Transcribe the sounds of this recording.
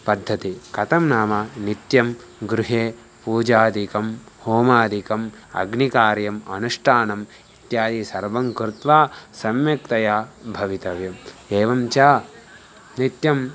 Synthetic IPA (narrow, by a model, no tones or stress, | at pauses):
pɐd̪ʱːɐt̪ikɐt̪ɐmnaːmɐnit̪jɐm | ɡɾuɦeː | puːd͡ʒaːd̪ikɐmhoːmaːd̪ʱikɐmɐ̰ɡnikaːɾjɐmɐ̰nuʂʈʰaːnɐm | it̪jaːd̪isɐɾʋɐŋkɾut̪ʋaːsɐmjɐkt̪ɐjaːbʱɐʋit̪ɐʋjɐmeːʋɐmt͡ʃaː | nit̪jɐm